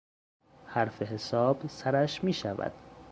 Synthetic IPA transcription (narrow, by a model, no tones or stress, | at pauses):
hæɾfeɦesɒːb̥sæɾæʃmiːʃævæ̰d̪̥